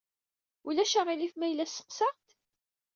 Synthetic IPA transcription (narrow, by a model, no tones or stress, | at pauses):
ulæʃaʁilifmæjlːæsə̥qsɑʁt̪